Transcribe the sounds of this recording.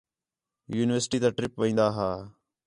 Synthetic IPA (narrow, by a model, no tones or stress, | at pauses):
juːnɪʋəɾsʈiːt̪aːʈɾɪpʋəĩːnd̪aːɦaː